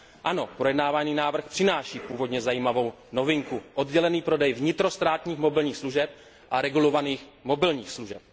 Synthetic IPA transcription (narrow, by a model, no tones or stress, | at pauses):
ʔano̞pɾo̞jɛdnaːvaniːnaːvr̩xpr̥ɪnaːʃiːpuːvo̞dɲɛzajiːmavo̞w | no̞vɪŋkuʔodɟɛlɛniːpɾo̞dɛjvɲɪt̪ɾo̞st̪ɾaːt̪ɲiːxmo̞bɪlɲiːxsluʒɛp̚ | ʔaɾɛɡulo̞vaniːxmo̞bɪlɲiːxsluʒɛp̚